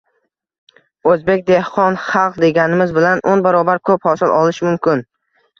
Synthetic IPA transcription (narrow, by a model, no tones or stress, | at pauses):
ɵzbe̞kʲd̪ehqɒnχɑlˠqd̪e̞ɡʲanɪmɪzbɪlanʔonbaɾɒbaɾkʰɵphɒsɪlˠʔɒlˠɪʃmʊmkʲɪn